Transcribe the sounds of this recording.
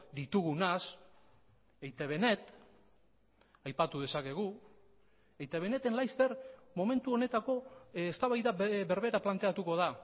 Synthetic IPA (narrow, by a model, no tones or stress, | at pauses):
d̪it̪uɣunas | ejt̪eβe̞ne̞t̪ | ajpat̪uðe̞sake̞ɣ̞u | ejt̪eβe̞ne̞t̪e̞nlajst̪e̞ɾmo̞me̞nt̪uo̞ne̞t̪ako̞est̪aβajðaβe̞ɾβe̞ɾaplant̪e̞at̪uko̞ð̞a